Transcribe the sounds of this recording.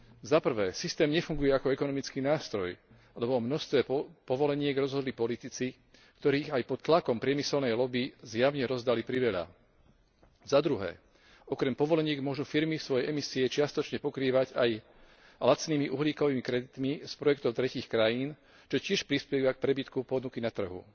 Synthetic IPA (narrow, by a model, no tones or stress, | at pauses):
zapr̩ʋɛːsist̪ɛːmɲɛfuŋɡujɛakɔɛkɔnɔmit͡skiːnaːst̪ɾɔj | lɛbɔmnɔst̪ʋɛːpɔʋɔlɛɲɪɛɡɾɔzɦɔd̪lipɔlit̪it͡si | kt̪ɔɾiːɣajpɔt̪t̪ːlakɔmpɾɪɛmisɛlnɛjlɔbizjaʊɲɛɾɔzd̪alipɾiʋɛʎa̰ | zad̪ɾuɦɛ̰ː | ɔkɾɛmpɔʋɔlɛɲɪɛɡmʊɔʒufiɾmifsʋɔjɛjʔɛmisiɛt͡ʃɪast̪ɔt͡ʃɲɛpɔkɾiːʋaɟaj | lat͡sniːmiʔuɦliːkɔʋiːmikɾɛd̪it̪mispɾɔjɛkt̪ɔʊt̪ɾɛciːxkɾajiːn | t͡ʃɔcɪɛʃpɾispɛʋak̚pɾɛbit̪kupɔd̪nukinat̪r̩ɦṵ